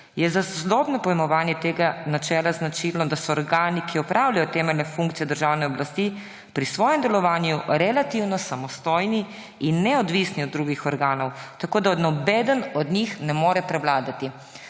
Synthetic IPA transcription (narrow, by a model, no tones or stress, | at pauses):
jɛzaszlɔbnɔpɔjɛmɔʋaːnjɛt̪eːɡanat͡ʃɛːlaznat͡ʃilnɔd̪asɔɔɾɡaːnikʰiɔpɾʔawlajɔt̪ɛːmɛlnɛfũŋkt̪sijɛd̪əɾʒawnɛɔblast̪i | pɾisʋɔːjɛmd̪ɛlɔʋaːnjuɾɛlat̪iwnɔsamɔst̪ɔjni | inːɛɔd̪ʋisniɔd̪̚ːɾuːɡixɔɾɡaːnɔwt̪akoːd̪aɔd̪nɔbɛːd̪ənɔd̪nixnɛmoːɾɛpɾɛwlaːd̪at̪i